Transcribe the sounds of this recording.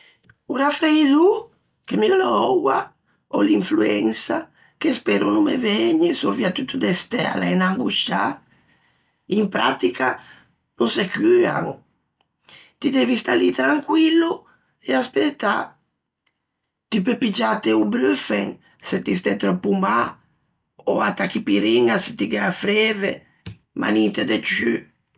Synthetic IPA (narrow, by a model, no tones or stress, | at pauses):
uɾafɾeiðu | kemiolɔɔwa | ɔliɱfluɛŋsa | kespɛɾunumḛvɛɲisoviat̪ut̪ːud̪est̪ɛ̰laenaŋɡuʃa | impɾa̰t̪ika | nusekya̰ŋ | t̪id̪ɛvist̪alit̪ɾaŋkwilu | easpet̪a̰ | t̪ypepid͡ʒat̪eubɾøfɛŋ | set̪is̬t̪ɛt̪ɾɔpːuma | oat̪akipiɾiŋase̥t̪iɡafɾɛvḛ | ma̰nit̪ed̪et͡ʃy